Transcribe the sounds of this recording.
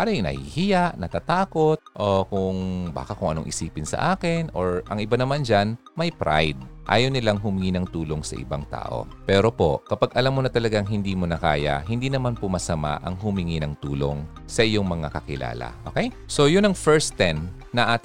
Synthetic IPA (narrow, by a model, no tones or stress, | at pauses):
paːɾɐjʊŋnɐ̰hḭhɪjaʔnɐt̪aːt̪aːko̞t̪̚ʔokʊŋba̰ːkɐkʊŋʔɐ̰no̰ŋʔɪsiːpɪnsɐ̰ʔaːkɪnʔoɹʔɐŋʔɪbanɐmand͡ʒan | mɐjpɾa̰jd̪̚ʔa̰ːjownɪlaŋɦʊmɪŋinɐŋt̪uːlo̞ŋsɐ̰ʔɪ̰ba̰ŋt̪a̰ːʔo̞̰pɛːɾo̞po̞̰kɐpaɡʔɐlamːonɐt̪ɐlɐɡaŋɦɪnd̪iːmonɐka̰ːjɐ̰ɦɪnd̪iːnɐmanpomɐsɐma̰ʔɐŋɦʊmɪŋinɐŋt̪uːlo̰ŋ | sɐʔɪjo̞ŋmɐŋa̰kɐkɪla̰ːlɐ̰ʔoːkɛj | so̞jʊnɐŋfɛɹst̪ɛnː | ɐʔaːt̪